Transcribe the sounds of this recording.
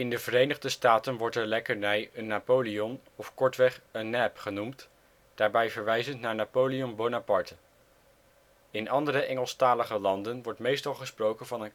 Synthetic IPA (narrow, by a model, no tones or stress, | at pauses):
ɪndəvərejnəχdəstaːtənʋɔɹtəɹlɛkəɹnɛjənːapoliɔn | ɔfkɔɹtʋɛχənːɛpχənumt | d̥aːɹbɛjvəɹʋɛjzəntnaːɹnaːpowliɔmbownapɑɹtə | ɪnɑndəɾəʔɛŋəlˠstaːləχəlɑndənʋɔɹtmejstɑlˠχəsprowkənvɑnən